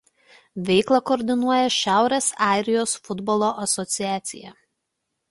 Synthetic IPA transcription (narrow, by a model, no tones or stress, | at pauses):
ʋʲɛɪklˠɐkɔːɾʲd̪ʲɪnuɔjɛʃʲæˑʊɾʲeːsɑˑɪɾʲɪjoːsfʊd̪bɔlˠoːʔɐsɔt̪sʲɪjæːt̪sʲɪ̰jɛ